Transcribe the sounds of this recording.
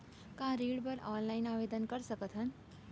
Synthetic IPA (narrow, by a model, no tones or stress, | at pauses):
kãɾiːɽbəɾɔnlainaʋed̪ənkəɾsəkət̪ʰɦən